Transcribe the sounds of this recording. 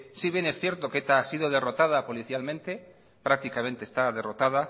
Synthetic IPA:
siβje̞ne̞sθje̞ɾt̪o̞ket̪aasiðoðe̞ro̞t̪að̞apo̞liθjalmẽnt̪e̞ | pɾak̚t̪ikament̪est̪aðe̞rot̪að̞a

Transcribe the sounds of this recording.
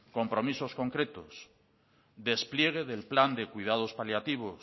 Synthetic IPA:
ko̞mpɾo̞misosko̞ŋkɾe̞t̪o̰s | d̪e̞splje̞ɣ̞eðelpland̪ekujð̞að̞ospaljat̪iβ̞os

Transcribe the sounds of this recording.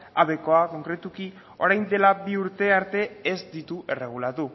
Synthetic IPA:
aβe̞ko̞ako̞ŋkɾe̞t̪uki | o̞ɾajnd̪e̞labiuɾt̪e̞aɾt̪e̞ːzd̪it̪uʔe̞re̞ɣ̞ulat̪u

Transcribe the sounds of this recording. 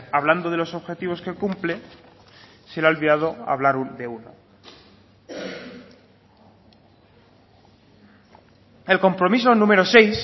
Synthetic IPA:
aβland̪oð̞e̞lo̞so̞βxe̞t̪iβ̞o̞ske̞kumple | seɾalβiðað̞o̞a̰βlaɾud̪e̞uno̰ | e̞lko̞mpɾo̞mis̬o̞nũme̞ɾo̞se̞js

